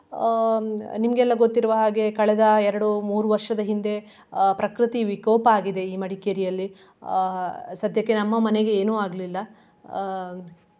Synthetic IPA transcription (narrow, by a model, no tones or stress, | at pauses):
nimɐɡɛlːɐɡo̞t̪ːiɾʋɐɦaːɡe̞kɐɭɛd̪ɐɛɾɐɽumuːɾuʋɐɾʂɐd̪ɐɦind̪e̞ | pɾɐkɾɨt̪iʋikɔːpɐaːɡid̪e̞iːmɐɽikeɾijɐlːi | sɐd̪ʱjɐkːenɐmːɐmɐneɡe̞eːnuːaːɡlilːɐ